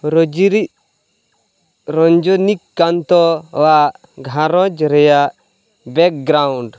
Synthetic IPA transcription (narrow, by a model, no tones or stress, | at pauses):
ɾɔd͡ʒiɾi | ɾɔɲd͡ʒɔnikːant̪ɔwa | ɡʱãɾɔd͡ʒɾɛja | bɛk̚ɡɾauɳɖ